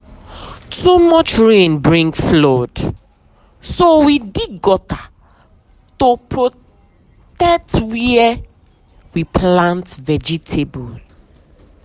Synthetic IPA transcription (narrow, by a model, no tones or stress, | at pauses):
tumɔt͡ʃɹẽnbɹĩŋɡflɔd̥ | sowidiɡɔta | topɹo | tɛtwiɛ | wiplãntvɛd͡ʒitʰebɔl